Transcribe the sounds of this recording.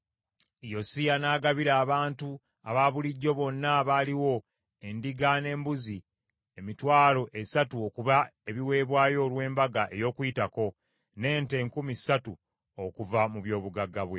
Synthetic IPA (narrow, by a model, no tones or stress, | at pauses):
jo̞sijanaːɡaβiɾaːβaːntu | aβaβuliɟːo̞βonːaβaːliwo̞ | e̞ndiɡane̞ːmbuzi | emitwaːlo̞ʔe̞satuokuβae̞βiwe̞ːβwaːjo̞ːlwe̞ːmbaɡaʔe̞jo̞ːkwuitako̞ | ne̞ːnte̞ːŋkumisatu | okuvamuβjo̞ːβuɡaɡːaβwe̞